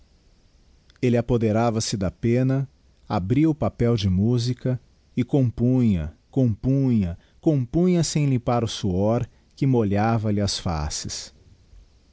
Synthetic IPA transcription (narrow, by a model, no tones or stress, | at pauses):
elɪapod̪eɾavɐsɪd̪ɐpẽnɐ | abɾiʊpapɛwd͡ʒɪmuzikɐ | ɪkõpũɲɐ̰kõpũɲɐ | kõpũɲɐsẽj̃lĩpaɾʊsuɔɾ | kɪmoʎavɐlɪɐsfa̰sɪs